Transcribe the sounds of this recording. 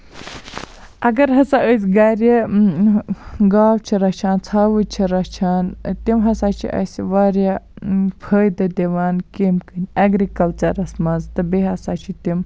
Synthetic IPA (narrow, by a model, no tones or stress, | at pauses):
ɐɡɐɾɦɐsaʔəsʲɡɐɾʲi | ɡaːwt͡ʃʰiɾɐt͡ʃʰaːnt͡sʰaːʋɨt͡ʃʰiɾɐt͡ʃʰaːnt̪imɦɐsaːt͡ʃʰḭʔɐ̰sʲiʋaːɾʲjapʰəːjd̪ɐd̪ʲiʋaːnkimkɨnʲɐɡɾikɐlt͡ʃɐɾɐsmɐnzt̪ɨbeɦɐsaːt͡ʃʰit̪im